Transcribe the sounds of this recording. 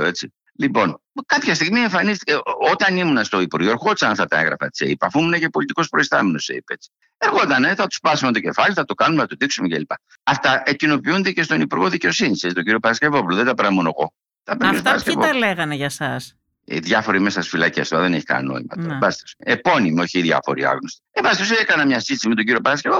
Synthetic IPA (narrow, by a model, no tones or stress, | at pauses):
oe̞t͡si | lipo̞nkɐpçɐst̪iɣmie̞ɱfɐnist̪i̥ceot̪ɐnimunɐst̪o̞ipuɾʝoeɾxot̪isɐnɐft̪ɐt̪ɐeŋɣɾɐ̰fɐesḛipɐfuimunecepo̞lit̪iko̞spɾoist̪ɐmeno̞seḭpet͡si̥ | eɾɣo̞t̪ɐneθɐt̪u̥spɐsumet̪oce̞fɐliθɐt̪okɐnumeθɐt̪oðiksumecelipɐ | ɐft̪ɐecino̞piund̪ece̞st̪o̞nipuɾɣo̞ðice̞o̞sinisesit̪oɟiɾio̞pɐɾɐscevo̞puloðed̪ɐpeɾɐmunoɣo̞̰ | t̪ɐpeint̪ɐɾɐsevoɐleɣɐneʝɐsɐs | ḭðʝɐfo̞ɾimesɐsfilɐcest̪oɾɐðeneçi̥kɐ̰nno̞̰imɐ̰t̪oɾɐvɐst̪osepo̞nimio̞çiðʝɐ̰fo̞ɾḭɐ̰ɣnost̪i̥evɐst̪osekɐnɐmɲɐsit̪isimet̪o̞ɲɟiɾiopɐɾɐscevop